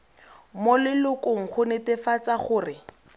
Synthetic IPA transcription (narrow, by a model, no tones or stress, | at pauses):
molɪlʊkʊŋ̩χʰʊnɪtɪfat͡saχʊːrɪ